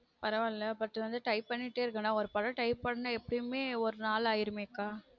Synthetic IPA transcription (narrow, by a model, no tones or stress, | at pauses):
pɐɾɐʋaːlːɐpɐɾt̪ːɯʋɐnd̪ɯʈɐɪpːɐɳːɪʈːeːɪɾɯkːɐnːaːɔɾɯpɐɾɐʈɐɪpːɐɳːɐnɐɛpːɐɽɪjmeːɔɾɯnaːlaːjɪɾɯmeːkːaː